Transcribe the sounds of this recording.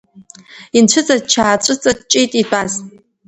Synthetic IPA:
inʈ͡ʂʷʰɨt͡sʼadt͡ʃʰaːʈ͡ʂʷʼɨt͡sʼadt͡ʃʼijtʼibʷʼaz

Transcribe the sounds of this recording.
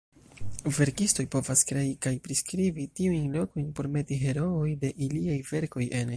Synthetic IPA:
ve̞ɾkisto̞jpo̞vaskɾe̞ikajpɾiskɾivitiujnlo̞ko̞jnpo̞ɾme̞tiɦe̞ɾo̞ojde̞ʔiliajve̞ɾko̞je̞n

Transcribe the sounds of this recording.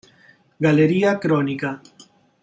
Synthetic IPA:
ɡaleɾiakɾonika

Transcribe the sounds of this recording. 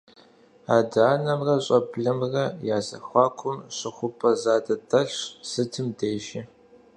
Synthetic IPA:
aːdaːnɐmrɐɕʼɐpɮɐmrɐjaːzɐ̰xʷɑːkʷʰʊmɕʼɪχʷʊpʼɐzaːdɐtʰʼɐɬsɨtʰɨmdeːʒi

